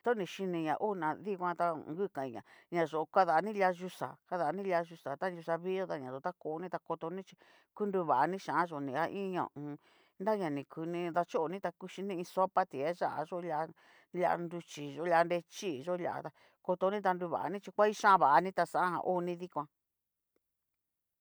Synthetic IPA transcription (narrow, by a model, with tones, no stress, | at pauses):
t̪o˦nĩ˧ʃi˧nĩ˧ɲã˨ʔo˦˧nã˧ði˦kʷã˧t̪a˧ŋɡɨ˦kã˨i˨ɲã̰˨ɲã˨ʒo˨o˧ka˦˧ða˨˧nĩ˦la˧ʒu˧sa̰˨ka˧ða˨˧nĩ˦lʲa˧ʒu˧sa˨t̪a˦˧u˧sa˧βi˦o˦t̪a˧ɲã˨ʒo˨t̪a˦ko˧˨˦nĩ˦t̪a˧ko˧t̪o˧nĩ˦t͡ʃi̥˧ | ku˦ndu˧βa˨a˧nĩ˦ʃã˨a˦ʒo˨nĩ˧a˦ʔĩ˦ɲõ̰˨˧˨ | nda˦ɲã˨nĩ˨kʰu˧nĩ˧ða˧t͡ʃo˦ʔo˨˧nĩ˦t̪a˧ku˧ʃi˧nĩ˧ĩ˧so˦pa˦t̪i˨e˦ʒa˦ʔa̰˧ʒo˦la˧ | la̰˧ʔa̰˧ndu˧t͡ʃi˨ʒo˧˦la˧nde˧t͡ʃi˦˨˧ʒo˦lʲa̰˧ʔa̰˧t̪a˧ | ko˧t̪o˧nĩ˦t̪̬a˧ndu˧βa̰˨ʔa̰˧nĩ˦t͡ʃi˧kʷa˦i˦ʃã˦βa˨ʔa˧nĩ˦t̪a˧sã˦ã˦ɦã̰˧ʔo˦˧nĩ˧ði˦kʷã˧